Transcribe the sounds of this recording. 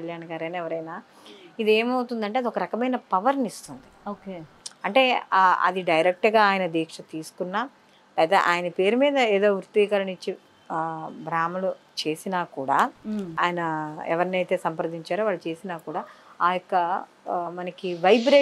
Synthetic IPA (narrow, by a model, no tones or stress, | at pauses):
ɐljaːɳɡaːɾɐjnːɛʋɐɾɐjnaː | id̪eːmɐwut̪und̪ɐɳʈeɐd̪iɔkɐɾɐkɐmɐjnɐpɐʋɐɾnist̪und̪ioːke | ɐɳʈe̞ːɐ̰d̪iɖɐjɾek̚ʈɐɡaːaːjɐnɐd̪iːkʂɐt̪iːsu̥kunːaː | lɐːt̪ɐʔa̰ːjɐnɐpe̞ːɾumiːd̪ɐeːd̪o̞ːʋɾut̪ʋiːkɐɾɐɳit͡ʃːi | bɾaːmɐlu | t͡ʃe̞ːsinaːkuːɽaːa̰ːjɐnɐɛ̰ʋɐɾɐniɐjt̪e̞ːsɐmpɐɾd̪iɲt͡ʃaːɾoːʋaːɭut͡ʃe̞ːsinaːkuːɽaːaːjɔkːɐ | mɐnɐkiʋɐjbɾeː